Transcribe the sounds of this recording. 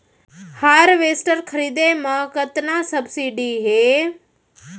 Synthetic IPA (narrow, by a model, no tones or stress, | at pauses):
haːɾʋeːsʈəɾkʰəɾiːd̪emãkət̪naːsəbsiːɖiːɦeː